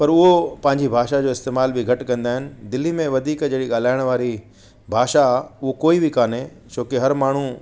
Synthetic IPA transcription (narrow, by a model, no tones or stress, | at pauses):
pɐɾʊɦopɐ̃ɦɪ̃ɲd͡ʑibʱaːʃad͡ʑoːɪst̪eːmaːlbʱɪɡʱɐʈkɐ̃nd̪aːɦɪnɪ̆d̪ɪlːimẽʋɐd̪ʱiːkd͡ʑɐːɽiɠaːl̤aːɪɽ̃ʋaːɾi | bʱaːʃaʊɦokoːibɪkaːnɦe | t͡ɕoːkɪɦɐɾmaːɳ̤u